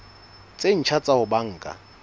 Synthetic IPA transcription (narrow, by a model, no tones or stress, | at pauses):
t͡sʼen̩t͡ʃʰat͡sʼahʊbaŋ̩ːkʼa̰